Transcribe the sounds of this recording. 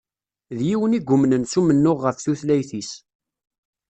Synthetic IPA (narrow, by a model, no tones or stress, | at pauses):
ðjiwəniɡʷːʊmnənsumənːʊʁːəfθuθlæjθis